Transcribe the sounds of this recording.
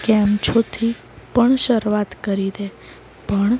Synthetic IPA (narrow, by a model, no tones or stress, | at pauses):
kɛmt͡ʃʰot̪ʰi | pəɳʃəɾʋat̪kəɾid̪e | pəɳ